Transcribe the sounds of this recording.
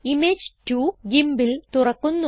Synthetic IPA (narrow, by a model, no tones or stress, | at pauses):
imed͡ʑtuɡimbilt̪urɐkːunː